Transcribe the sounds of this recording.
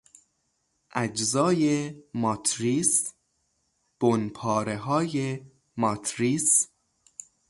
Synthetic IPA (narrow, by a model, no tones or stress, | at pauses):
ʔæd͡ʒzɒːjemɒːt̪ʰɾiːs | b̥onpʰɒːɾeɦɒːje | mɒːt̪ʰɾiːs